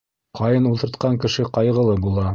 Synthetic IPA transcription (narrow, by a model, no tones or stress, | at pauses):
qʰɑjɤnulˠt̪ɤ̆ɾt̪̚qɑŋkɘ̆ʃɘqɑjʁɤ̆lˠɤbulˠɑ